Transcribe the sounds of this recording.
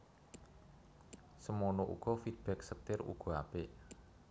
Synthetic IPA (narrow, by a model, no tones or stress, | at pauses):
səmonoʔṵɡ̥ɔfid̪̚b̥ɛk̚sət̪ɪrṵɡ̥ɔ̤a̰peʔ